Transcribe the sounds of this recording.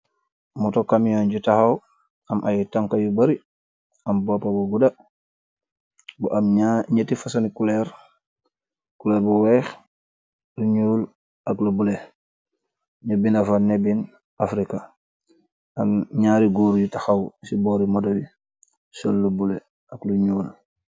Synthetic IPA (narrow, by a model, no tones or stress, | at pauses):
mutokamjoːnɟutaxaw | ɐmʔajutaŋkajubaɾi | ɐmboːpabuɡuda | buʔamaɲatifasanikuleɾ | kulɛːɾbuweːx | luɲuːl | aklubule | ɲubinafanebin | afɾika | amɲaːɾiɡoːɾjutaxawsiboːɾimodobi | solːubule | akluɲuːl